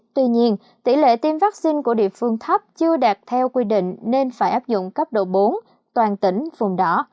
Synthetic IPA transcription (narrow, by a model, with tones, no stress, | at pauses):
t̪wi˧ɲi˧ən | t̪i˧˩lḛ˧˨t̪i˧mvaː˦˥k̚si˧nku˧˩əɗḭ˧˨əfɨ˧əŋt̪ʰa˦˥p̚t͡ɕɨ˧əɗaː˨˩t̚t̪ʰɛ˧wkwi˧ɗḭ̈˧˨ŋ̟ne˧nfaː˧˩jʔaː˦˥p̚zʊ̰˧˨ŋ͡mkə˦˥p̚ɗo̰˧˨ɓo˨˦n | t̪waː˨˩nt̪ï˧˩ŋ̟vʊ˨˩ŋ͡mɗɔ˨˦